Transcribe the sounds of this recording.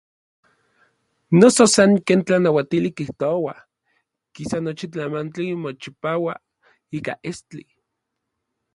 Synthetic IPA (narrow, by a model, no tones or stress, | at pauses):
nososaŋkeːnt͡ɬanawat̪ilikiht̪oawa | kisanot͡ʃit͡ɬamant͡ɬimot͡ʃipaːwa | iːka̰ʔest͡ɬi